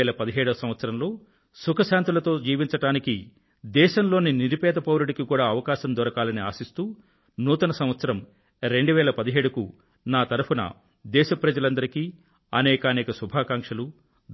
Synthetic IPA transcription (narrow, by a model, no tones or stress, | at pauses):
ɛːlɐpɐd̪iɦɛːɽuɐsɐmʋɐt̪sɐɾɐmlo̞ː | sukʰɐʃaːnt̪ulɐt̪o̞ːd͡ʒiːʋiɲt͡ʃɐʈaːniki | d̪ɛːʃɐmlo̞ːniniɾipɛːd̪ɐpɐʋɐɾuɽikikuːɽaːɐʋɐkaːʃɐnd̪ɔɾɐkaːlɐniaːsist̪uː | nuːt̪ɐnɐsɐ̃mʋɐt̪sɐɾɐm | ɾe̞ɳɖuʋɛːlɐpɐd̪iɦeːɽukṵ | naːt̪ɐɾupunɐ̰ | d̪ɛːʃɐpɾɐd͡ʒɐlɐnd̪ɐɾikiː | ɐnɛːkɐaːnɛːkɐsubʱaːkaːŋkʂɐlu